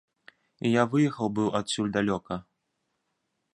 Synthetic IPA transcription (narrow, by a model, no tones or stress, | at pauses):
ijavɨjɛxɐwbɨwat̪ʲsʲulʲd̪alʲɔkɐ